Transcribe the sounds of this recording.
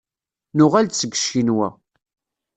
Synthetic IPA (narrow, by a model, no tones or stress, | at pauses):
nʊʁælt͡sːəɡə̥ʃːinwæ̰